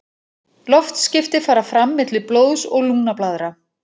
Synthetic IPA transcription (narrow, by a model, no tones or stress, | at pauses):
lɔft̪scɪft̪ɪfaːɾafɾamːɪt̪lɪploːwðsɔɣluːnaplaːðɾa